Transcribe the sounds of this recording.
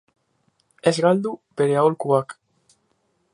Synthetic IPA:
ɛzɣald̪upeɾeaolkuak

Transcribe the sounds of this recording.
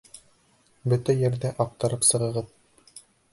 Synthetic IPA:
bɵt̪æjɘ̆ɾdæʔɑq̚t̪ɑ̆ɾɤpsɤ̆ʁɤ̆ʁɤð

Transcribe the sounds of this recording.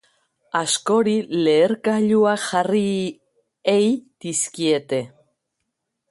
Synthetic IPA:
askoɾileːɾkaʎuaxari | ejt̪iskiet̪e

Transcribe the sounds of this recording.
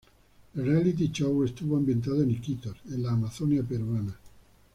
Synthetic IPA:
ralit̪̬it͡ʃɔwest̪uvoambjent̪̬aːðoenikit̪aɾenlaːmaθɔniapeɾvana

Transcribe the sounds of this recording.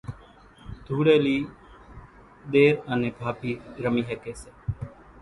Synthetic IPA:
d̪ʱuːɽeːliː | ɗ̪eːɾəneːbʱaːpiːɾəmiːɦɛːkeːseː

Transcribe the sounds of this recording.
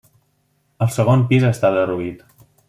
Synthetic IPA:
əlˠsəɣ̞onpizəst̪aðəruit̪

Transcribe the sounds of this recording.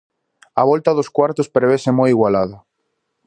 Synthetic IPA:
aβɔlt̪aðoskwaɾt̪ospɾeβesemojiɣwalaða

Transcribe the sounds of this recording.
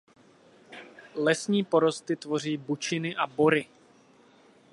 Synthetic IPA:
lɛsɲiːpo̞ɾo̞st̪ɪt̪vo̞r̝iːbut͡ʃɪnɪʔabo̞ɾɪ

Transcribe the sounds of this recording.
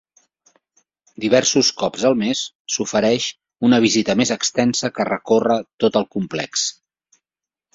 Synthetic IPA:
d̪iβɛɾsuskɔpzəlˠmesː | ufəɾɛʃ | unəβ̞izit̪əmezəkst̪ɛnsəkərəkorət̪ot̪əlˠkumplɛ̰ks

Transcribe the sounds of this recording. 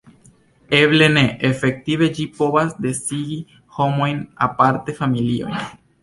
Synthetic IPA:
eβle̞ne̞ʔefe̞k̚t̪ive̞d͡ʒipo̞βasd̪e̞siɡi | ho̞mo̞jna̰paɾte̞familio̞̰jn

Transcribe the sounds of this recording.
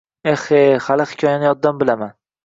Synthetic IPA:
ehehalɪhɪ̥kʲʰɒjanɪjɒd̪ːambɪlaman

